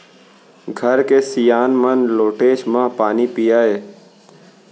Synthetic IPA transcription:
ɡʱəɾkeːsɪjaːnmənloːʈeːʃmãːpaːniːpijaːɦeː

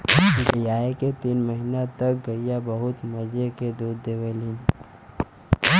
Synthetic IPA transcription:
bibijaːeket̪iːnməɦinat̪ɐk̚ɡɐɾijabɐɦʊt̪mɐd͡ʒeked̪uːd̪ːeːʋəlĩn

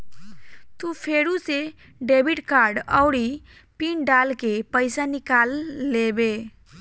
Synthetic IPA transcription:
t̪upʰeɾuse | ɖebʱiʈkaɾɖəʊɽi | piɳɖalkepəɪsanikalːebe

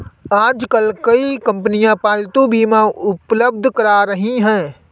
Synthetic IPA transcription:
aːd͡ʒkəlkɐikə̃mpənijãpaːlt̪ũbʱimãʊpləbd̪ʱkəɾaɾəɦiɦɛ̃ː

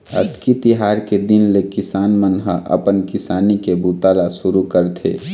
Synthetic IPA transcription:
ə̰t̪kit̪ɪɦaːɾked̪ɪnlekɪsaːnmənɦəʔə̰pənkɪsaːnikebut̪aːlasʊɾukəɾt̪ʰḛː

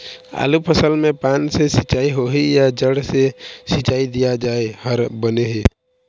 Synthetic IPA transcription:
a̰ːlupʰəsəlmẽpaːnsesɪt͡ʃaːiɦoɦejad͡ʒəɽsesɪt͡ʃaːid̪ijad͡ʒaːehəɾbəneɦeː

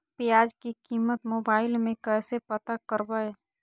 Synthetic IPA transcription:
pijaːd͡ʒkikiːmət̪moːbaːɪlmẽkɛːsepət̪akəɾbəe

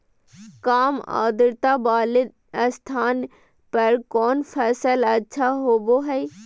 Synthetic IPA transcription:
kaːma̰ːd̪əɾt̪abaːlɪd̪ | əst̪ʰaːn | pɐɾkɔːnpʰɛːsəlɐtːʃʰaɦoːboɦɛi

